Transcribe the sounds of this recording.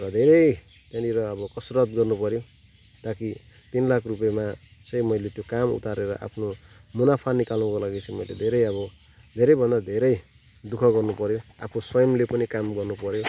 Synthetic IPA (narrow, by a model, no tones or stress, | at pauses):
rʌd̪ʱeɾʌj | t̪jãniɾʌːbʌkʌsrʌt̪ɡʌrnupʌɾjo | t̪aki | t̪inlakʰrupemat͡sʌ̃jmʌjlet̪jokamṵt̪aɾeɾʌ̰ʔa̰pʰnomunapʰanikalũkolaɡit͡sʰʌ̃jmʌjled̪ʱeɾʌjʌbʌ | d̪ʱeɾʌjbʱʌnd̪ad̪ʱeɾʌj | d̪ukʰʌɡʌrnupʌɾjoa̰pʰosʌjʌmlepʌnikamɡʌrnupʌɾjo